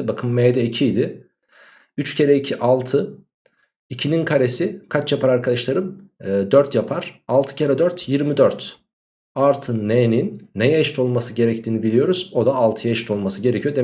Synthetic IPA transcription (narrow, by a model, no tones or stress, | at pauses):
bakʰɯmːejd̪ɛicʰijd̪ɪ | yt͡ʃcʰe̞ɾɛicʰiʔalˠt̪ʰɯ | icʰininkʰaɾesikʰat͡ʃjapʰaɾaɾkʰad̪aʃlˠaɾɯmːd̪øɾt̪japʰaɾ̥alˠt̪ʰɯ̥cʰeɾɛd̪øɾt̪ʰjiɾmid̪øɾt̪ | aɾt̪ʰɯnːeninːejaʃt̪ʰo̞lˠmasɯɟe̞ɾɛc̚t̪ʰiːnibilʲijo̞ɾuz̥o̞d̪aːlˠt̪ʰɯjaʃi̥t̪ʰo̞lˠmasɯɟe̞ɾɛcʰijod̪e